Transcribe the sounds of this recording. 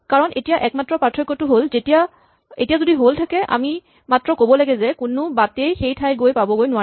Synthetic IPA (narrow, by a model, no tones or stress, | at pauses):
kaɹɔnʔetijaʔɛk̚matɹɔpatʰɹɔkːɔtʊɦolzetija | ḛtijazodiɦoltʰakɛʔa̰mi | matɹɔkobɔlaɡɛzɛkʊnʊbatejxejtʰajɡojpabɔɡojnʊwa